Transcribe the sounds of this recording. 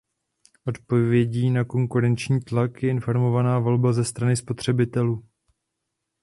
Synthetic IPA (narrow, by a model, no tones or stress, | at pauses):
ʔo̞t̪po̞vjɛɟiːnako̞ŋkuɾɛnt͡ʃɲiːt̪lakjɛʔɪnfo̞ɾmo̞vanaːvo̞lbazɛst̪ɾanɪspo̞t̪r̝̥ɛbɪt̪ɛluː